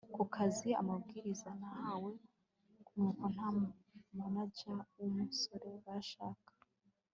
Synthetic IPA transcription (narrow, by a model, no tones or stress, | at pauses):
kukʰazia̰mabɡiːɾizanahawe̞ | kunukon̥hammanaɟamuso̞ɾe̞βaʃaːkḁ